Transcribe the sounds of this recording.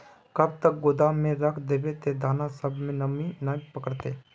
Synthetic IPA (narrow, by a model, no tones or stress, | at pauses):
kɐb̚t̪ək̚ɡoːd̪amẽɾəkʰd̪eːbet̪ed̪ʱaːnasəbʱmẽnɐmĩnapəkəɾt̪eː